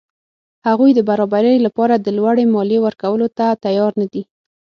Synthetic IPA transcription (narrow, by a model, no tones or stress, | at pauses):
haɣujd̪əbaɾɑbaɾəjlapɑɾad̪əlwaɽemɑlewəɾkawəlot̪at̪ajɑɾnad̪i